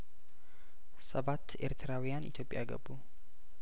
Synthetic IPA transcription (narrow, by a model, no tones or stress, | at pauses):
səβat̪ʰːe̞̰ɾt̪ʰɨɾawjanʔḭt̪ʰjo̞pʼja̰ɡə̰bːu